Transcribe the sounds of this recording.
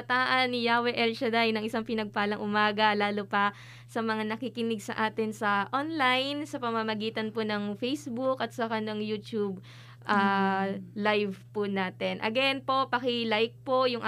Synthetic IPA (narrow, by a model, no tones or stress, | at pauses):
ɐt̪aːʔɐnːɪjaːwɛʔɛlt͡ʃɐd̪ajnɐŋʔɪsaŋpɪnɐɡ̚paːlɐŋʔʊmaːɡɐlaːlopɐ | sɐmɐŋanɐkikɪnɪɡsɐʔaːt̪ɪnsɐʔonlajnsɐpɐmɐmɐɡiːt̪ɐnponɐŋfɛjsbʊkʔɐt̪̚sɐkanɐŋjut̪ub | ʔaː | lajvpʊnaːt̪ɛnʔɐ̰ɡɛnpo̞pɐkɪlajk̚po̞jʊŋʔ